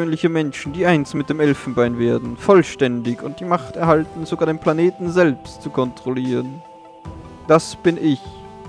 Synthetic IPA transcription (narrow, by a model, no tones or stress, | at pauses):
øːnlɪçəmɛnʃn̩d̥iːʔaɪnstmɪt̚d̥eːmʔɛlfn̩baɪnveːɐdn̩fɔlʃtɛndɪçʊnt̚d̥iːmaχtɛɐhaltn̩zoɡaːɐdeːnpl̥aneːtn̩zɛlpstt͡sukʰɔntʁ̥oliːʁ̞ən | d̥asb̥ɪnʔɪç